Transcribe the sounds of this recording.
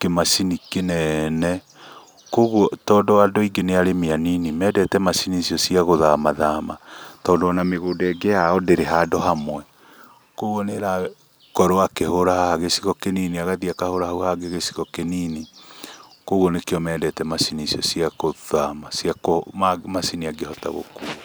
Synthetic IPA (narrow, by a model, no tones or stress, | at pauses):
kemasinikenɛnɛ | koɣɔtɔːndɔadɔiɡeneaɾemeaninimɛdɛtɛmasinisiɔsiaɣoðamaðamatɔːndoanameɣoːdɛɡejaɔdeɾeɦadɔɦamwɛ | koɣwɔneɾa | kɔɾoakehoɾahaaɣesi̥ɣɔkeniniaɣaðiakahoɾahauhaɡeɣesi̥ɣɔkeniːni | koɣwɔnekeɔmɛdɛtɛmasinisiɔsiaɣoðamasiakomamasiniaɡehɔta̰ɣo̰kuː